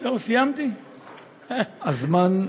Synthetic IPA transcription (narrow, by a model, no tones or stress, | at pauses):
losijamt̪i | azman